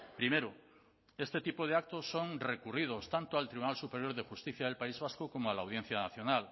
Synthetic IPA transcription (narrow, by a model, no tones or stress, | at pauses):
pɾimeɾo | est̪et̪ipoð̞eak̚t̪osːoŋrekurið̞ost̪ant̪oalt̪ɾiβunalsupeɾjoɾðexust̪iθjaðelpaizβaskokomoalawð̞jen̟θjanaθjonal